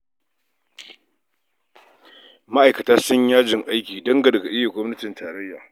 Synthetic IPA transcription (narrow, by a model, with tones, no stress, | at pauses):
ma˦ʔa˨jkɐ˨taː˦sʊ˦ɲjaː˦d͡ʒɪ˨ŋʔa˦jkʲiː˨dɐ˦ŋɡa˨dɐ˨ɡa˨ʔɪ˦ja˨ɡʷɔ˦mnɐ˦tɪ˨ntaː˨ɾɐ˦jːaː˨